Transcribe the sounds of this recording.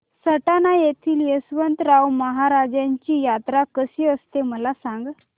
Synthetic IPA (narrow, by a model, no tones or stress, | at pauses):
səʈanajet̪ʰiːljəsʋənt̪ɾawməɦaɾad͡ʑjaɲt͡ɕiːjat̪ɾakəsiːəst̪eməlasaŋɡ